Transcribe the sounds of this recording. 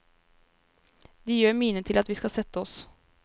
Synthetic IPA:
d̪ɛjøːɾmyːnət̪ʰɪlɑt̪ʋiːskɑsɛt̪ːəɔs

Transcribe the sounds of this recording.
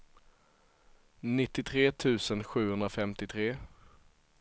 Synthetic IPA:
nɪt̪ːɪt̪ʰɾeːt̪ʰʉ̟ːsənɧʉ̟ːhɵnd̪ɾafɛmt̪ɪt̪ʰɾeː

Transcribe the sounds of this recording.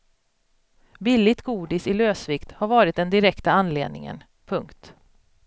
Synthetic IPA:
bɪlːɪt̪ɡuːd̪ɪsɪløːsvɪkt̪haɾvɑːɾɪt̪̚d̪ɛnd̪ɪɾɛkt̪aanlḛːd̪̚nɪ̰ŋə̰n | pʰɵŋkt̪

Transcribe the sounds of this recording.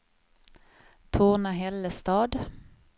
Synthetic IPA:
t̪ʰoːnaɦɛlːəst̪ɑːd̪

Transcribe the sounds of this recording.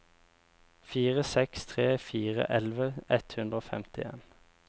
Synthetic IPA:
fiːʁəsɛkst̪ʰʁeːfiːʁə̰ʔɛlʋəɛt̪hʉnd̪ʁəoːfɛ̰mt̪ɪḛːn

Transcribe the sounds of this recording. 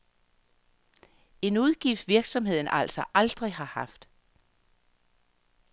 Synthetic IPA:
e̝nuðˠɡ̥ifd̥ʋiɐɡ̥sɒ̽mhe̝ð̞̰ˠn̩ʔæl̰sɒʔɑ̈ld̥ʁihɑ̈hɑ̈fd̥

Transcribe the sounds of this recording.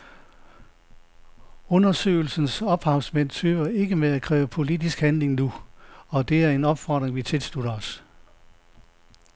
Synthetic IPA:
ɔ̽nɐsø̰ːɪl̩sn̩sɒ̽b̥hɑ̈ʊsmen̰t͡sʰøːʋɐe̝ɡ̥əmeækʰʁɛːʊəpʰo̝lid̥isɡ̥hænle̝ŋnuɒ̽d̥e̝æɐe̝nɒ̽b̥fɒ̰d̥ʁeŋʋit͡sʰe̝lsd̥luɾɐɒs

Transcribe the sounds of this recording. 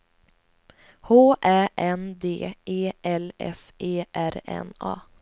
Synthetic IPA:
hoːʔæːʔɛnd̪ḛːʔeːʔɛlʔɛ̰seːʔæɾɛ̰nɑ̰ː

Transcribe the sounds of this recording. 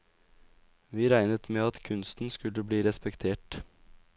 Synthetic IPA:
ʋiːɾæɪnət̪meːɑt̪kʰʉnst̪n̩skʉləbɽiːɾɛspɛkt̪ʰeːʈ

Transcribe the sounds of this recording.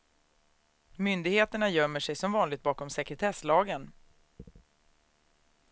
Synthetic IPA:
mʏnd̪ɪɡheːt̪əɳajœmːəʂɛjsɔmvɑːnlɪɡ̚t̪̚bɑːkɔmsɛkɾɛt̪ʰɛslɑːɡən

